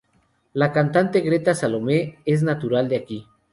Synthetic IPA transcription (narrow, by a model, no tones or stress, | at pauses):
lakant̪ant̪eɣɾet̪asalomeeznat̪uɾald̪eaki